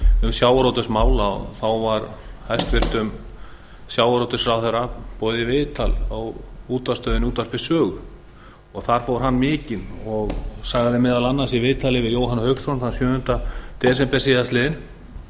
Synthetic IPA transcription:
ʏmsjaːwaɾɔt̪ʏsmaːwlaɔ̰θawvaɾhajst̪vɪr̥t̪ʏm | sjaːwaɾɔt̪ʏsɾawθɛɾapɔːðɪvɪːt̪ʰalawuːt̪ast̪œːðɪnuːt̪aspɪsœːɣʏ | ɔɣθaɾ̥fowɾ̥ɦanːmɪːcɪnɔɣsaːɣaðɪmɛːðalanːansivɪːðt̪ʰalɪvɪðjoːwɦanhœɥksɔnθansjœːhʏnt̪at̪ɪɛs̬ɛmpɛsiðast̪lɪːðɪn

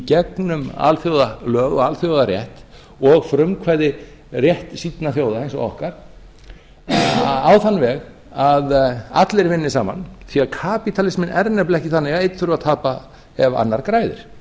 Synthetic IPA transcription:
cɛknʏma̰ːlθjowðalœːɣɔɣaːlθjowðaɾjɛht̪ | ɔɣfɾʏmkʰvaːjðɪ | rjɛht̪sit̪naθjoːwðaejnsɔ̰ɔ̰hkaɾ̥ | awθanvɛɣ | aða̰t̪lɪɾvɪnːɪsaːma̰nθiaðkʰaːpit̪ʰalɪsmɪnʔɛɾnɛplɛhcɪθanːɛɣaðejt̪θʏɾʏvaðt̪ʰaːpa | ɛva̰nːaɾkɾaːjðɪ̰ɾ̥

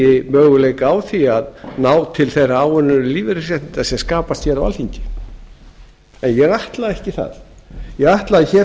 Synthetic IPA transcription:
ɪmœːɣʏleːjkawθiaðnaːwt̪ʰɪlθejraaːwʏnːʏɾɪliːvɪɾɪsɛht̪nɪnt̪asɛmskaːpast̪çɛlawa̰lhiɲcɪ̥ | ɛnjɛɣaht̪laðɛhcɪθa̰ðjɛɣaht̪laðɪçɛ

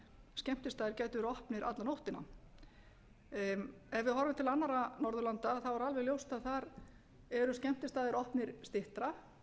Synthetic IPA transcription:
scɛm̥t̪ɪst̪aːðɪɾcɛːjt̪ʏɾɔhpnɪɾʔa̰t̪lanowht̪ɪna̰ | ɛvvɪðhɔɾʏmt̪ʰɪlanːaɾanɔɾðʏlant̪aθawɛɾalvɛɣljowst̪aðθaɾ | ɛɾʏscɛm̥t̪ɪst̪aːðɪɾɔhpnɪɾ̥st̪ɪht̪ɾa

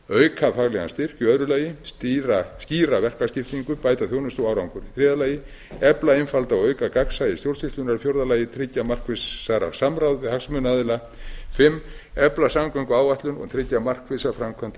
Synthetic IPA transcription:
œːɥkʰafaɣlɛɣa̰nst̪ɪr̥cʏœðɾʏlaːjɪst̪iɾasciːɾavɛr̥kascɪft̪iŋkʏpaːjt̪aθjownʏst̪owawɾawŋkʏɾθɾɛːðalaːjɪ | ɛplaɪnfalt̪awœːɥkakaksajɪst̪jowrsɪht̪lʏnaɾfjowɾðalaːjɪt̪ʰɾɪcːamar̥kvɪsaɾa̰samɾawðvɪhaksmʏnaðɪla | fɪmːɛplasamkœŋkʏaːwvaht̪lʏnɔ̰ɣt̪ʰɾɪcːamar̥kvɪsafɾamkʰœnt̪

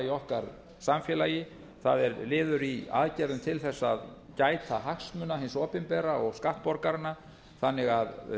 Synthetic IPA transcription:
iɔhkaɾ | samfjɛlajɪ | θaðɛɾlɪːðʏɾia̰ðcɛɾðʏnt̪ʰɪlθɛsːað | caːjt̪ʰaɦakst̪mʏnaɦɪnsɔːpɪnpɛːɾaɔɣskaht̪pɔɾkaɾɪnːa | θanːɪɣað

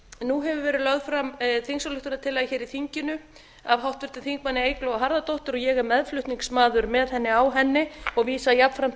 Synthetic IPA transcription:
nːuɦɛvʏvɛːɾɪlœɣðfɾamθiŋksɔlʏht̪ʏnat̪ʰɪlːaçɛːɾiθiɲcɪnʏ | avhawht̪vɪɾ̥t̪ɪθiŋk̚manːɪeːjklowaɦaɾðat̪owht̪ʏɾɔjɛɣɛmːɛðflʏht̪niŋksmaːðʏɾmɛðhɛnːɪawɦɛnːɪɔɣviːsajapfɾam̥

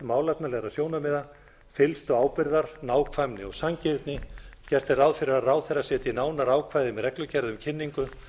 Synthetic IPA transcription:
maːwlat̪nalɛːɣɾaðsjoːwnamɛːða | fɪlst̪ɔɣaːwpɪɾðaɾ̥naːwkʰvajmnɪɔɣsaɲcɪɾt̪nɪcɛr̥t̪ɪrawðfɪɾɪɾarawðθɛrasɛːt̪jnaːwnaɾaːwkʰvajðɪmɛðɾɛklʏcɛɾðʏmcʰɪnːiŋkʏ

